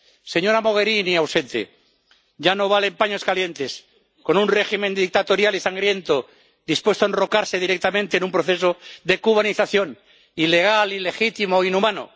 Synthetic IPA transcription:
se̞ɲo̞ɾamo̞ɣ̞e̞ɾiniawse̞nt̪ḛ | ɟ͡ʝano̞β̞alempaɲo̞skalje̞nt̪es | ko̞nunre̞ximẽ̞nd̪ik̚t̪at̪o̞ɾjalisaŋɡɾje̞nt̪o | ðispwe̞st̪oenro̞kaɾse̞ð̞iɾek̚t̪amẽnt̪enũmpɾoθe̞soðe̞kuβ̞aniθaθjo̞n | ile̞ɣ̞alile̞xit̪imoinumãno̰

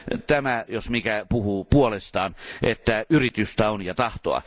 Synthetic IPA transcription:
t̪æmæjosmikæpuhupuolest̪ɑːnʔet̪ːæyrit̪yst̪æonjɑt̪ɑht̪o̰ɑ̰

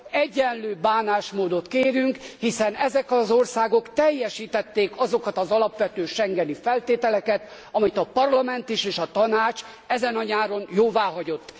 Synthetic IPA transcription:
ɛɟːɛnløːbaːnaːʃmoːd̪o̞t̪keːɾyŋkhisɛnɛzɛkɒzo̞rsaːɡo̞kt̪ɛjːɛʃiːt̪ɛt̪ːeːkɒzo̞kɒt̪ɒzɒlɒpʋɛt̪øːʃɛŋɡɛnifɛlt̪eːt̪ɛlɛkɛt̪ | ɒmit̪ɒpɒrlɒmɛnt̪iʃeːʃɒt̪ɒnaːt͡ʃ | ɛzɛnɒɲaːɾo̞njoːvaːɦɒɟo̞t̪ː

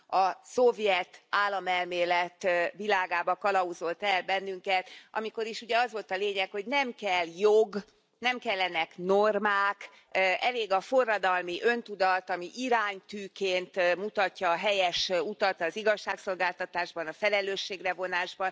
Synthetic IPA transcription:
ɒso̞vjɛt̪aːlːɒmɛlmeːlɛt̪ʋilaːɡaːbɒkɒlɒuzo̞lt̪ɛlbɛnːyŋkɛt̪ʔɒ̰miko̞ɾiʃuɟɛɒzʋo̞lt̪ɒleːɲɛkho̞ɟnɛmkɛlːjoɡ | nɛmkɛlːɛnɛknormaːk | ʔɛleːɡɒfo̞rːɒd̪ɒlmiʔø̞nt̪ud̪ɒt̪ɒmiʔiɾaːɲt̪yːkeːnt̪mut̪ɒcːɒːɦɛjɛʃut̪ɒt̪ɒziɡɒʃːaːkso̞lɡaːlt̪ɒt̪aːʒbɒnɒfɛlɛløːʃːeːɡrɛvo̞naːʒbɒn

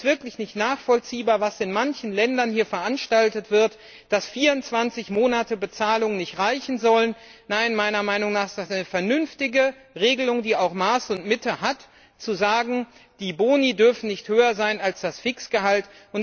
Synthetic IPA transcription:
v̥ɪɐklɪçnɪçtnaːχfɔlt͡siːbaːɐvasɪnmançn̩lɛndɐnhiːɐfɛɐʔanʃtaltətv̥ɪɐt | d̥asfiːɐʊntt͡sv̥ant͡sɪçmoːnatəbət͡saːlʊŋənɪçtʁaɪçn̩zɔlənnaɪnmaɪnɐmaɪnʊŋnaːχɪstasʔaɪnəfɛɐnʏnftɪɡə | ʁeːɡəlʊŋdiːaʊxmaːsʊntmɪtəhat | t͡suzaːɡŋ̩d̥iːboːnidʏɐfn̩nɪçthøːɐzaɪnalsd̥asfɪksɡ̥əhaltʔʊn

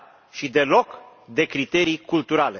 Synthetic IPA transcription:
ʃid̪e̞lo̞k | d̪e̞kɾit̪e̞ɾikult̪uɾale

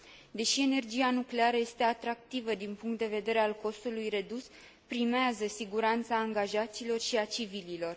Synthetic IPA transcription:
d̪e̞ʃie̞ne̞rd͡ʒianukle̞aɾəje̞st̪e̞at̪ɾak̚t̪ivəd̪inpuŋkt̪̚d̪e̞ve̞d̪e̞ɾe̞alko̞st̪ulujre̞d̪us | pɾimeazəsiɡuɾant̪saːŋɡaʒat̪silo̞rʃiat͡ʃivililo̞r

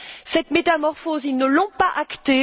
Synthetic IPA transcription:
sɛt̪met̪amɔʁfozilnəlɔ̃paʔakt̪e

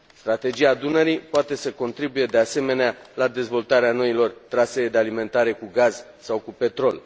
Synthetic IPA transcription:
st̪ɾat̪e̞d͡ʒiaːd̪unəɾipoat̪e̞səko̞nt̪ɾibuje̞d̪e̞ase̞me̞nealad̪e̞zvo̞lt̪aɾeano̞ilo̞rt̪ɾased̪e̞alime̞nt̪aɾe̞kuɡaz | sawkupe̞t̪ɾo̞l

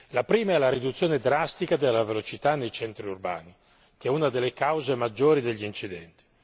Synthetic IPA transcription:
lapɾiːmaɛlaɾid̪ut̪sːjoːned̪ɾast̪ikad̪elːavelot͡ʃit̪anːejt͡ʃɛnt̪ɾiurba̰ːni | k̟ɛunad̪elːekawzemad͡ʒːoːɾid̪eʎːiiːnt͡ʃid̪ɛnt̪i̥

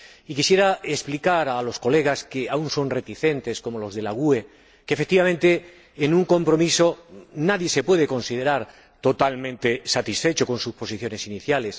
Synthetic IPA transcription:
ikisjeɾaesplikaɾalo̞sko̞le̞ɣ̞askeaunso̞nre̞t̪iθe̞nt̪e̞sko̞mo̞lo̞zðe̞laɣ̞ue̞ | kefek̚t̪iβamẽnt̪e̞ː | nũŋko̞mpɾo̞misonaðje̞se̞pweð̞e̞ko̞nsiðe̞ɾaɾ | t̪o̞t̪almẽnt̪e̞sat̪isfe̞t͡ʃo̞ko̞nsuspo̞siθjo̞ne̞siniθjale̞s

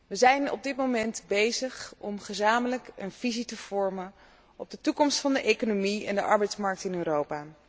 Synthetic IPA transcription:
ʋəzɛjnɔ̰b̚dɪtmowmɛntbejzəχɔmχəzaːmələkənv̥izitəv̥ɔɹmən | ɔb̚dətukɔmstfɑndəʔejkonomiɛ̰ndəʔɑɹbɛjtsmɑɹk̚tɪnøːɾowpaː

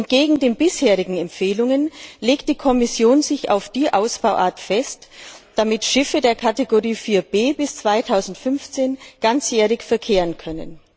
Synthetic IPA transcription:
ʔɛntɡ̥eːɡŋ̩deːnbɪsheːʁɪɡŋ̩ɛmpfeːlʊŋənleːkt̚d̥iːkʰɔmɪsjoːnzɪça̰ʊfd̥iːʔaʊsb̥aʊʔa̰ːɐtfɛstd̥amɪtʃɪfədeːɐkʰateɡoʁiːfiːɐb̥eːbɪst͡sv̥aɪtʰaʊzn̩tfʏnft͡seːnɡ̥ant͡sjɛːʁɪçfɛɐkʰeːʁənkʰœnə̰n

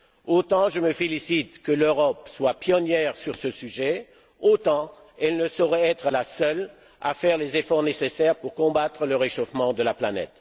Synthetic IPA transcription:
ot̪ɑ̃ʒəməfelisit̪kəløʁɔpswapjɔnjɛʁsyʁsəsyʒɛ | ot̪ɑ̃ | ɛlnəsɔʁɛɛt̪χəlasœl | a̰fɛʁlezefɔʁnesesɛʁpuʁkɔ̃bat̪χələʁeʃofmɑ̃d̪əlaplanɛ̰t̪

